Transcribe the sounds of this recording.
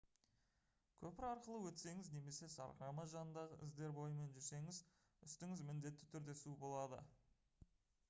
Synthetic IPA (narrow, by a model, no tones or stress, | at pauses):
kʲʰɵpɪɾɑɾqəlˠəwɵt̪se̞ŋɪzne̞me̞se̞sɑ̰ɾqɾɑməʒɑnənd̪ɑʁəʔɪ̰zd̪e̞ɾbo̞jəme̞nʒʏɾse̞ŋɪz | ʏst̪ɪŋɪzmɪnd̪e̞t̪ːɪ̥t̪ʰʏɾd̪e̞subo̞lˠɑd̪ə̰